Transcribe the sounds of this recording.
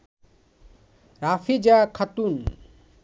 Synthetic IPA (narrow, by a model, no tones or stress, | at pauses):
ɾafʰid͡ʒakʰat̪un